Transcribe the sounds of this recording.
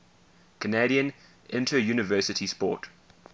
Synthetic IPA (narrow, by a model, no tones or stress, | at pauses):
kʰəneɾiə̃n | ʔɪ̃ntʰəjuːnɪvɜˑsɪtʰispɔ̰ˑt